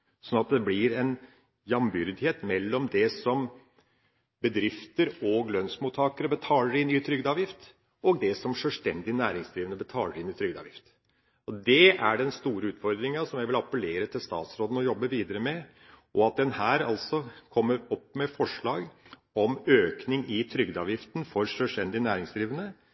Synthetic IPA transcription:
sɔnɑt̪̚d̪ɛblɪɾɛn | jɑmbʏɾd̪ɪheːt̪mɛlːɔmd̪ɛsɔm | bəd̪ɾɪft̪əɾɔɡlœnsmut̪ʰɑːkəɾəbət̪ʰɑːləɾɪnːyːt̪ʰɾʏɡd̪ɑːʋjɪft̪ | ɔɡ̚d̪ɛsɔmʂœlst̪ɛnd̪ɪnæːɾɪŋsd̪ɾiːʋənəbət̪ʰɑ̰ːləɾɪnːɪt̪ʰɾʏɡd̪ɑ̰ʋjɪft̪ | ɔd̪ɛʔæɖɛnst̪uːɾəʉːt̪fɔɾd̪ɾɪŋəsɔmjæɪʋɪlɑpəleːɾət̪ʰɪlst̪ɑ̰ːt̪sɾoːd̪n̩ɔjɔbːəʋiːd̪əɾəmɛ | ʔɔɑt̪̚d̪ɛnhæːɾɑlsɔkʰɔmːəɾɔpːmɛfɔʂɭɑːɡ | ɔmøːknɪŋɪt̪ʰɾʏɡd̪ɑːʋjɪft̪nfɔɾʂœsʈ̪ɛnd̪ɪnæːɾɪŋsd̪ɾiːʋənə

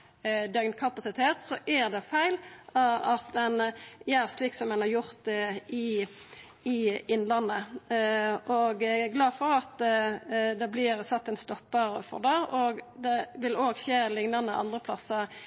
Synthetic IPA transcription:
d̪œɡnkʰɑpɑsɪt̪ʰeːt̪sɔʔæɾd̪ɛfæɪlɑɑt̪ɛnjæʁsliːksɔmɛnɑɾjʊʁt̪ɪ | ɪɪnːlɑnːə | ʔɔɡɡlɑːfɔɾɑt̪ | d̪ɛblɪɾsɑt̪ːɛnst̪ɔpːəɾfɔ̰ʁd̪ɑoɡd̪ɛʋɪloːɡçeːlɪŋnɑnəʔɑ̰nd̪ʁəpʰlɑsəɾ

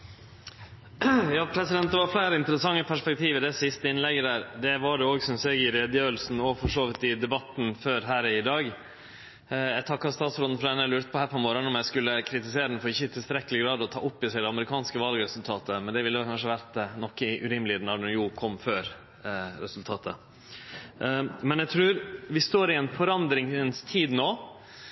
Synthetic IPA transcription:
jɑːpʰɾɛsɪd̪ɛnt̪əʋɑɾflæɪɾəɪnt̪əɾəsɑŋːəpʰæʂpɛk̚t̪ʰiːʋəd̪ɛsɪst̪əɪnlɛɡːəd̪æːɾd̪ɛʋɑɖɛoːɡsɔnseːɡɪɾeːd̪jøːəlsn̩ɔfɔʂoːʋɪt̪ːɪd̪ɛbɑt̪ːnføːɾɦæːɾɪd̪ɑːɡ | æt̪ʰɑkːɑst̪ɑːt̪sɾɔd̪n̩fɔɾɑd̪ɛnːælʉːɾt̪ə̥pʰɔhæːɾpʰɔmoːɾənɔmjæɪskʉlːəkʰɾɪt̪ɪseːɾəd̪nfɔɾɪçːəɪt̪ʰɪlst̪ɾɛkːəlɪɡɾɑːd̪ɔt̪ʰɑ̰ːʔʊpːɪsæɪd̪ɛɑməɾɪkʰɑːnskəʋɑlɡəɾɛsʉlt̪ʰɑːt̪əmɛnd̪ɛʋɪlːəʋɛlkʰɑnʂəʋæɾt̪nɔkːəʔʉɾɪməlɪɛnɑɳɛjuːkʰɔmːføːɾ | ɾɛsʉlt̪ʰɑːt̪ʰə | mɛnæɡt̪ʰɾʉːɾʋɪst̪oːɾɪɛnfɔɾɑnd̪ɾɪŋənst̪ʰiːd̪noː

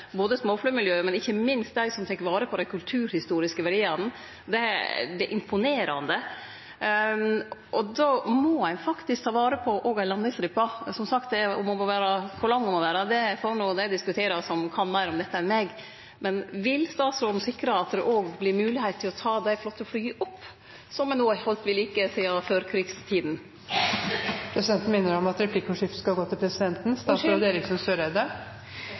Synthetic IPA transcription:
boːd̪əsmoːflyːmɪljøːmɛnɪçːəmɪnst̪̚d̪æɪsɔmt̪ʰɛkːəɾʋɑːɾəpʰɔd̪ɛɪkʰʉlt̪ʰʉːɾhɪst̪uːɾɪskəʋɛɾeːɑn̩ | d̪ɛd̪ɛʔɪmpʰʊneːɾɑ̰nd̪ə | ʔɔd̪ɔmɔæɪfɑkt̪ɪskt̪ʰɑːʋɑːɾəpʰɔʔoːɡælɑnːɪŋst̪ɾɪpːɑsɔmsɑk̚t̪̚d̪ɛɔmɔmɔʋæːɾɑfɔlɑŋːɔmɔʋæːɾɑd̪ɛfoɾɳuːd̪æd̪ɪskʉt̪ʰeːɾɑsɔmkʰɑnmæɪɾɔmd̪ɛt̪ːəæɾmeɡ | mɛnʋɪlst̪ɑːt̪sɾɔɾmsɪkːɾɑɑt̪̚d̪ɛʔoːɡblɪɾmʉːlɪhæɪt̪ʰːɪlɔt̪ʰɑːd̪æɪflɔt̪ːəflyːʔɔpː | sɔmɛnoːhɔlt̪ʋɪliːkəsiːɑføːɾkʰɾiːɡst̪ʰiːd̪n̩ | pʰɾɛsɪd̪ɛnt̪n̩mɪnːəɾɔmɑt̪ɾɛpʰlɪkːɔʂɪft̪skɑlɡoːt̪ʰɪlpʰɾɛsɪd̪ɛnt̪n̩st̪ɑːsɾɔd̪eːɾɪksɔnsøːɾɛd̪ə

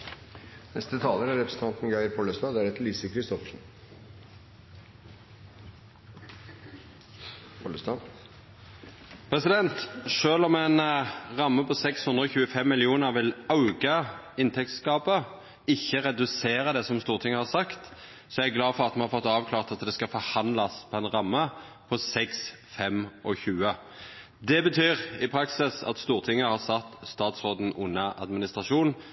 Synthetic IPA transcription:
nɛ̰st̪ət̪ʰɑːləɾæɾɾɛpɾəsn̩t̪ɑnt̪n̩ɡɑɪɾpʰɔləst̪ɑːd̪æɾɛt̪liːsəkʰɾɪst̪ɔfʂn̩ | pʰɔləst̪ɑ | pʰʁɛsɪd̪ɛnt̪ʂøːlɔmɛɪnʁɑmːəpʰɔsɛkshʉnd̪ʁəɔçʉːəfɛmːɪlɪuːnəʁʋɪlaʉɡɑ | ɪnt̪ʰɛk̚t̪skɑːpə | ɪçːəɾɛd̪ʉseːɾəd̪ɛsɔmst̪uːʁt̪ʰɪŋːəhɑɾsɑkt̪ | sɔæɡlɑːfɔʁɑt̪̚mɛnhɑɾfɔt̪ːɑːʋkʰlɑːʁt̪ɑt̪d̪ɛskɑfɔɾhɑnlɑspʰɔɛɪnʁɑmːəpʰɔsɛks | fɛmɔçʉːə | d̪ɛbət̪ʰyːʁɪpʰɾɑksɪsɑ̰t̪st̪uːʁt̪ʰɪŋːəhɑsɑt̪ːst̪ɑːt̪sʁoːd̪n̩ʔʊnːɑʔɑ̰d̪mɪnɪst̪ʁɑʂuːn

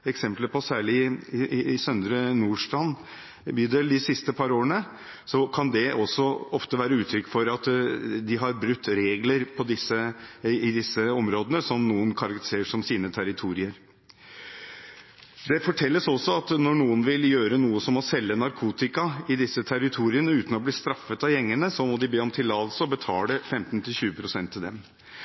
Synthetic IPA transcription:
ɛksɛmpləpɔsæːɭɪ | sœnd̪ɾənuːʂʈɑn | byːd̪eld̪ɪsɪst̪əpʰɑɾoːɾəɳə | sɔkʰɑnd̪ɛʔɔsːɔɔft̪əʋæːɾəʉːt̪ʰɾʏkːfɔɾɑt̪d̪ɪɦɑɾbɾʉt̪ːɾeːɡləɾpʰɔd̪ɪsːəɪd̪ɪsːəɔmɾoːd̪ənəsɔmnuːənkʰɑɾɑkt̪ɪ̥seːʂɔmsiːnət̪ʰæɾɪt̪ʰuːɾɪəɾ | d̪ɛfɔʈʰɛlːəsɔsːɔɑt̪nɔɳuːənʋɪljøːɾənuːəsɔmɔsɛlːənɑɾkʰuːt̪ɪkɑɪd̪ɪsːət̪ʰæɾɪt̪ʰuːɾɪənəʉːt̪n̩ɔbliːst̪ɾɑfːət̪ɑjɛŋːənəsɔmɔd̪ɪbeːɔmt̪ʰɪlɑlsɔbət̪ʰɑ̰ːlɖɛfɛmt̪nt̪ʰɪlɕʉːəpʰɾʊsɛnt̪ːɪld̪ɛm

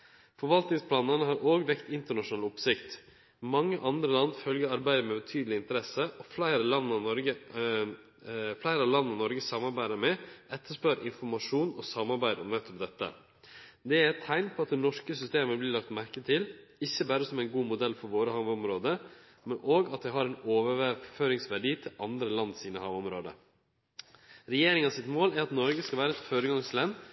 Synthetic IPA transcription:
fɔɾʋɑlt̪nɪŋspʰlɑːnənəɦɑɾʔoːɡʋɛkt̪ɪnt̪əɳɑʂʊnɑːlʊpsɪkt̪ | mɑŋːəʔɑnd̪ɾəlɑnːfœlɡəɾɑɾbæɪd̪əmɛbɛt̪ʰyːd̪əlɪnt̪əɾɛsəʔɔflæɪɾəlɑnːɑnɔɾɡə | flæɪɾəɑlɑnːɑnɔɾɡəsɑmːɑɾbæɪd̪əmɛʔɛt̪ʰːəʂpœɾʔɪnfɔɾmɑʂuːnɔ̰sɑmːɑɾbæɪd̪ə̰nɛt̪ːɔp̚d̪ɛt̪ːə̰ | d̪ɛæɾɛt̪ʰːæɪnpʰɔɑt̪̚d̪ɛnɔʂkəsʏst̪eːməblɪɭɑk̚t̪mæɾkət̪ʰɪlɪçːəbæːɾəsɔmæɪnɡuːmʊd̪ɛlfɔɾʋoːɾəhɑːʋɔmɾoːd̪ə | mɛnʔoːɡɑt̪̚d̪ɛɪɦɑɾɛɪnoːʋəʋæføːɾɪŋsʋæɖiːt̪ʰɪlɑnd̪ɾəlɑnːsiːnəhɑːʋɔmɾoːd̪ə̰ | ɾɛjeːɾɪŋɑsɪt̪moːlæɾɑt̪nɔɾɡəskɑʋæːɾəɛt̪føːɾəɡɑŋslɛnː

